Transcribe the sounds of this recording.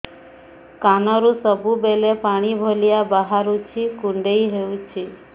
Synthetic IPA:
kanɔɾusɔbubelepaɽ̃ibʱolijabaɦaɾut͡ʃʰikuɳɖejɦeut͡ʃʰi

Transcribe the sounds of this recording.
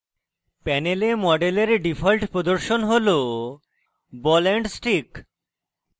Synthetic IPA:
pɛnelemɔɖeleɾɖipʰalʈpɾod̪oɾʃonɦolo | bɔlɛɳɖsʈik

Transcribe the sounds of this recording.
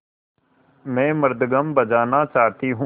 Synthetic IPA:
mɛ̃ːməɾd̪ɡəmbəd͡ʒaːnat͡ʃaːt̪iɦũ

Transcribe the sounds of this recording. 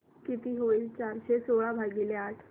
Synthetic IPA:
kit̪iɦoilt͡ɕaɾɕesoɭabʱaɡileaʈʰ

